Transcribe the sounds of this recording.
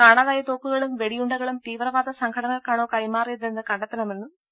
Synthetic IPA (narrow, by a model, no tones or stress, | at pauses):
kaːɳɐðaːjɐt̪oːkːuɣɐɭumʋe̞ɽijuɳɖɐɣɐɭumt̪iːʋrɐʋaːd̪ɐsɐŋkʰɐɽɐŋɐlkaːɳo̞ːkɐjmaːrijɐðenːɨkɐɳɖɐt̪ːɐnɐmenːu